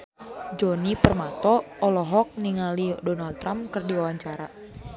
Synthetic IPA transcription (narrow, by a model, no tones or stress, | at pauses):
d͡ʒɔnipərmat̪ɔʔːlɔɦɔk̚niŋalidɔnald̚t̪ːɾamkɨrdiwawaɲt͡ʃaɾa